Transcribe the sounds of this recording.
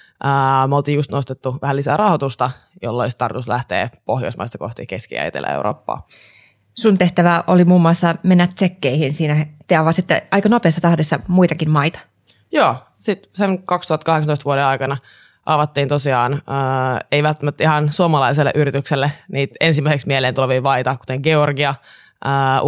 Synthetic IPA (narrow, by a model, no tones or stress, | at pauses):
ʔəːmolt̪iːjust̪nost̪et̪ːuʋæhælisæ̰ːrɑhot̪ust̪ɑjo̰lːolist̪ɑrt̪unuslæht̪ḛːpohjo̰ismɑ̰ist̪ɑ̥ko̰ht̪ḭkeskḭæ̰j̰t̪ḛlːʔæ̰ḛṵro̰ːpːɑ̰ː | sunt̪e̞ht̪æʋæʔolimuːmːuɑsːɑmenːæt̪sekːeihinsiːnæt̪eɑʋɑsit̪ːḛʔɑikɑno̞peːsːɑt̪ɑhdesːɑmujt̪ɑkinmɑjt̪ɑ̥ | joː | sit̪seŋkɑkst̪uhɑt̪kɑheksɑnt̪oist̪ʋuoɾeɑikɑnɑ | ʔɑʋɑt̪ːiːnt̪osiɑːnəːeijʋælt̪ːæmæt̪ːihɑnsuɑmɑlɑiselːḛʔyɾit̪ykselːeniːt̪ensimːæiseksmiehleːnt̪uleʋiːʋɑit̪ɑku̥t̪eŋɡ̥eorɡiɑ | ʔəː